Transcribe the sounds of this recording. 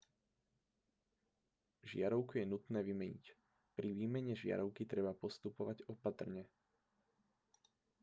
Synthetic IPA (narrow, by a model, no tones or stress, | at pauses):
ʒɪaɾɔʊkujɛnut̪nɛːʋimɛɲḭc | pɾiʋiːmɛɲɛʒɪa̰ɾɔʊkit̪ɾɛbapɔst̪upɔʋaɟɔpat̪r̩ɲɛ